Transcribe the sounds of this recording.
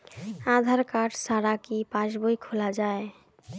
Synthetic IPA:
ad̪ʱaɾkaʈsaɾakipãt͡ʃboikʰolad͡ʒae

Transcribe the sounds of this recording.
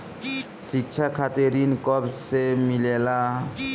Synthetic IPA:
ɕitːɕʰakʰat̪eɾinkɔpsemilela

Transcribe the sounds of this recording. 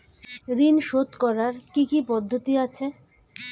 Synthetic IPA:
ɾinʃot̪kɔɾaɾkikipɔd̪ʱːot̪iat͡ɕʰe

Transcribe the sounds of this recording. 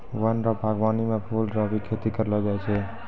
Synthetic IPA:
wənɾɔbʱaɡbanimepʰulɾɔbʱikʰet̪ikəɾləd͡ʒajt͡ʃʰɛ

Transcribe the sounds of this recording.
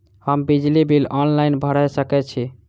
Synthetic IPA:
həmbid͡ʒlibʱilɔnlajnbʱəɽɛsəkɛt͡ʃʰi

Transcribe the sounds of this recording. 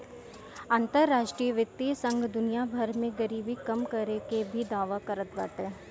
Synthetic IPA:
ãːnt̪əɾːaːʃʈɾijəʋjəkt̪ːisə̃ŋɡʱd̪ʊnijabʱəɾmẽɡəɾiːbikɐmkɐɾekebʱid̪aːʋakəɾət̪ba̰ːt̪eː

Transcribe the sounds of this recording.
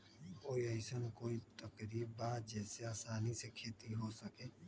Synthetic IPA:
koːiəɪsənkoːit̪əkɾiːbbaːd͡ʒɛːseaːsaːnisekʰeːt̪iɦosəkeː

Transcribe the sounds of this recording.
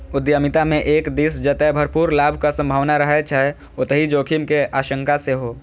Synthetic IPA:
ʊd̪jəmit̪amẽʔeːkd̪isd͡ʒət̪ɛbʱəɾpuːɾlaːbʱkasə̃mbʱaːʋnaɾəɦɛt͡ʃʰaɛ | ot̪əɦid͡ʒoːkʰimkeʔaːʃəŋkaseɦo

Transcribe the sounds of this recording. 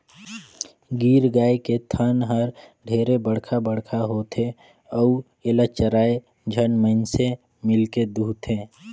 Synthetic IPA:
ɡiːɾɡaːeket̪ʰənɦəɾɖʱeːɾebəɽ̤kʰabəɽkʰaɦot̪ʰe | əu | eːlət͡ʃəɾaːe | d͡ʒʱənməɪnse | mɪlked̪uːt̪ʰeː

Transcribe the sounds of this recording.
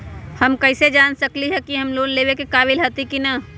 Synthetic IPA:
həmkəɪsed͡ʒaːnsəkliɦɛkiɦəmloːnleːʋekekaːbɪlɦət̪ikina

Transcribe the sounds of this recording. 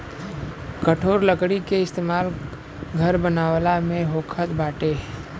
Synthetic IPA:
kəʈʰoːɾləkɽikeɪst̪eːmaːl | ɡʱəɾbənaːwlamẽɦoːkʰət̪baːʈe

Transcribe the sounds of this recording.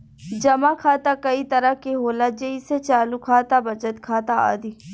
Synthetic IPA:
d͡ʒɐmakʰaːt̪akɐit̪ɐɾakeɦoːlad͡ʒeiset͡ʃaːlukʰaːt̪abɐt͡ʃət̪kʰaːt̪aa̰ːd̪i

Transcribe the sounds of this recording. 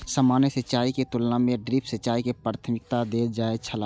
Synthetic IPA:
səmaːnjəsət͡ʃaːiket̪ʊlnamẽɖɾipʰsət͡ʃaːikepɾaːt̪ʰəmɪk̚t̪ad̪eːd͡ʒaːet͡ʃʰəla

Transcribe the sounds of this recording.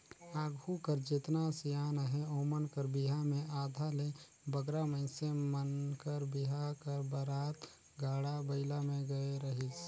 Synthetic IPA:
aːɡʱukəɾd͡ʒet̪nasijaːnəɦɛoːmənkəɾbiɦamẽaːd̪ʱale | bəɡɾaməɪsemənkəɾbiɦakəɾbəɾaːt̪ | ɡaːɽabəɪlamẽɡəeɾəɦit͡ʃʰ

